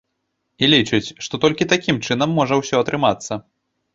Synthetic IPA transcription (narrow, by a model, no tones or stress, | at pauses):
ilʲit͡ʂɨt͡sʲʂt̪ɔt̪ɔlʲkʲit̪akʲimt͡ʂɨnɐmːɔʐɐwsʲɔɐt̪ɾɨmat̪sːɐ